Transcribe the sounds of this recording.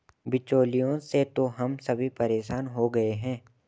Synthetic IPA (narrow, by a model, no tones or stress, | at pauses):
bɪt͡ʃoːlijõset̪oɦɐmsɐbʱipɐɾeːʃaːnɦoɡɐeɦɛ̃ː